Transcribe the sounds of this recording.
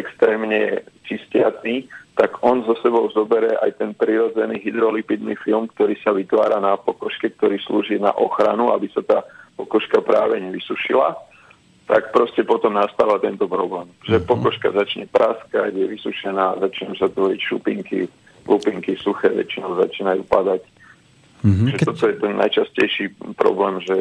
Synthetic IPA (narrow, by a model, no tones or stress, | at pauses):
ɛkst̪ɾɛːmɲɛt͡ʃiscɪat͡s̪iːt̪aɡɔnzɔsɛbɔʊzɔbɛɾɛʔa̰jt̪ɛnpɾiɾɔd͡zɛniːɦid̪ɾɔlipid̪nifilmkt̪ɔɾiːsaʋit̪ʋa̰ːɾanapɔkɔʃkɛk̚t̪ɔɾiːsluːʒina̰ʔɔxɾa̰nuabisat̪aːpɔkɔʃkapɾaːʋɛɲɛʋisuʃila̰ | t̪ak̚pɾɔscɛpɔt̪ɔmnast̪aːʋat̪ɛnt̪ɔpɾɔblɛːmʒɛpɔkɔʃkazat͡ʃɲɛpɾʔaskaɟjɛʋisuʃɛnaːzat͡ʃiːnamsat̪ʋɔɾicʃupiŋkḭ | lʔupiŋkisuxɛːʋɛ̰t͡ʃinɔʊza̰t͡ʃiːnajṵːpad̪ac̪ | ʒɛtt̪ɔt̪ɔjɛt̪ɛnːa̰jt͡ʃascɛjʃiːpɾɔ̰blɛːmʒɛ